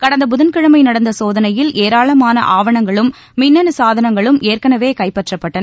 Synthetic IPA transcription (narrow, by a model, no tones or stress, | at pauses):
kɐɽɐnd̪ɐbʊðɐnkɪɻɐmɐɪnɐɽɐnd̪ɐsoːðɐnɐjɪleːɾaːɭɐmaːnɐ̰ʔaːʋɐɳɐŋɡɐɭɯmː | ɪnːɐnɯsaːðɐnɐŋɡɐɭɯmʔeːrkɐnɐʋeːkɐɪpɐʈrɐpːɐʈːɐnɐ